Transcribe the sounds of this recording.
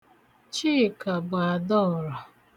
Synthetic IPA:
t͡ʃi˦˨ka˨ba˨dɔ˦˨ɾɔ˨

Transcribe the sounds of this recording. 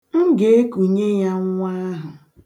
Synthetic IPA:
ŋ̩˦ɡe˨e˦ku˨ɲe˦ja˦ŋ˦ŋʷa˦ɦʊ˨

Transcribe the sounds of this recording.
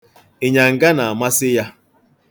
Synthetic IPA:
e˨ɲa˨ŋ̩˨ɡa˦na˨a˨ma˦sɪ˦ja˦

